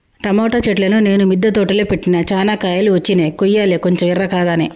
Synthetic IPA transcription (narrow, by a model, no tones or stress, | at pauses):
ʈɾɐmɔːʈɐt͡ʃeʈlɐnune̞ːnumid̪ːɐt̪oːʈɐleːpeʈːinɐt͡ʃaːnaːkaːjaːluʋɐt͡ʃːineːkujːaːlekoɲt͡ʃɐmirːɐkaːɡaːneː